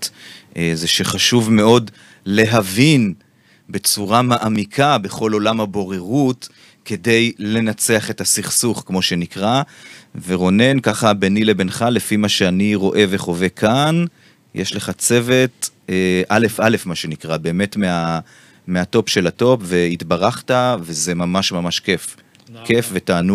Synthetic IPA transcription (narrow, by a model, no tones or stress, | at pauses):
ʔezeʃeχaʃuvme̞o̞d | le̞ɦavin | be̞t͡suʁamaʔamikʰabeχo̞lo̞lamhabo̞ʁe̞ʁut | ke̞de̞jle̞nat͡seaχe̞tasiχsuχkmo̞ʃe̞nikʁaveʁo̞ne̞nkaχabenile̞be̞nχalefimaʃeaniʁo̞ʔe̞veχo̞ve̞kʰan | jʔeʃle̞χat͡se̞ve̞teʔale̞fale̞fmaʃe̞nikʁabe̞ːme̞tmea | meato̞pʃe̞lato̞pve̞itbaʁaχtave̞ze̞mamaʃmamaʃke̞f | kefvetaːnu